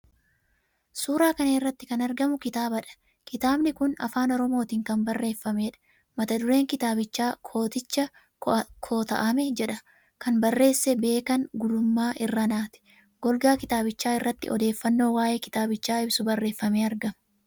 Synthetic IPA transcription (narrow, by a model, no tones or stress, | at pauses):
suːɾaːkɐnɐɪrːɐt̪ːɪkɐnɐɾɡɐmʊkɪt̪aːbɐᶑɐ̥ | kɪt̪aːbnɪkʊnɐ̰faːnɔɾɔmo̞ːt̪iːŋkɐmbɐrːe̞ːfːɐmeːᶑɐ̥ | mɐt̪ɐd̪ʊɾe̞ːŋkɪt̪aːbɪt͡ʃːaːkʰoːt̪ɪt͡ʃːɐ | kʰoːt̪ɐ̰ʔɐmɛd͡ʒɛᶑɐ | kɐnbɐrːe̞ːsːɛbe̞ːkɐŋɡʊd̪ʊmːaːʔɪrːɐnaːt̪ɪ̥ | ɡ̥ɔlɡaːkɪt̪aːbɪt͡ʃːaːɪrːɐt̪ːɪ̰ʔɔ̰d̪e̞ːfːɐnːo̞ːwaːʔe̞ːkɪ̥t̪aːbɪt͡ʃːaːɪbsʊbɐrːe̞ːfːɐmeːɐɾɡɐmɐ